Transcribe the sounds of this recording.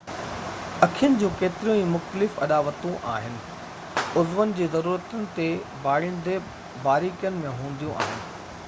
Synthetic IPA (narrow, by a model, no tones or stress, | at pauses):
ɐkʰijənɪ̆d͡ʑũːkeːt̪ɪɾijũĩːmʊxt̪əlɪfɐ̰ɗaːʋət̪ũʔa̰ːɦɪnɪ̆ | ʊzʋənɪ̆d͡ʑeːzɐɾuːɾət̪ənɪ̆t̪ebaːɭɪnd̪e | baːɾiːkijənɪ̆mẽɦũːn̆d̪ijũʔa̰ːɦɪnɪ̆